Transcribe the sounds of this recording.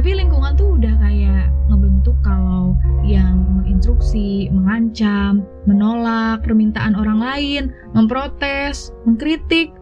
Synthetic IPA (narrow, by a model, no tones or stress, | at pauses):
t̪apiliŋkuŋant̪uudahkajaʔŋəbənt̪ukːalawjaŋməŋinst̪ɾuksiməŋaɲt͡ʃammənolak̚pərmint̪aʔanoɾaŋlaɪn | məmpɾot̪ɛs | məŋkɾit̪ɪk̚